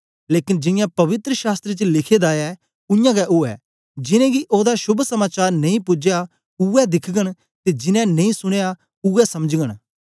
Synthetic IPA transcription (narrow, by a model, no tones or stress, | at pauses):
leːkɪnd͡ʒɪ̃jãpɐʋɪt̪ɾəʃaːst̪ɾet͡ʃlɪkʰed̪aːjɛ | ʊjãɡɛʔʊɛ | d͡ʒɪnɛ̃ɡiʔoːd̪aʃʊbʱsɐmaːt͡ʃaːɾnɐ̃ĩpʊd͡ʒeja | ʊɛd̪ɪkʰɡəɽ̃ | t̪ed͡ʒɪnɛ̃nɐ̃ĩsʊɽ̃eja | ʊɛsɐməd͡ʒɡəɽ̃